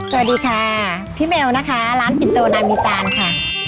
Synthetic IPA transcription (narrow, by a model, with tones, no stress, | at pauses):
so˧˩a˨˩t̚diː˧kʰa˥˩ | pʰi˦˥me˧wna˦˥kʰa˦˥laː˦˥npi˧nt̪oː˧naː˧miː˧˥t͡ɕaː˧nkʰa˥˩